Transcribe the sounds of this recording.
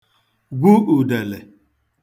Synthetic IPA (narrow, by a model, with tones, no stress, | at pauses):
ɡʷu˦u˨de˨le˨